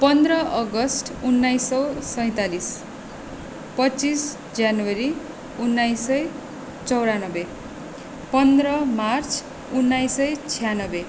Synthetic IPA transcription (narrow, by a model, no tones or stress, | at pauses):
pʌnd̪rʌʔʌɡʌsʈunːajsʌwsʌj̃t̪alis | pʌt͡sis | d͡zanwʌɾi | unːajsʌj | t͡sʌwɾanʌbe | pʌnd̪rʌmart͡sʰ | unːajsʌjt͡sʰijanʌbe